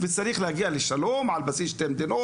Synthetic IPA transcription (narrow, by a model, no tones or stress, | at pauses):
fisːæɾiːxlhæɡiːʔalɪʃːæloːmʕalbæsiːʃt̪emd̪ɪnoː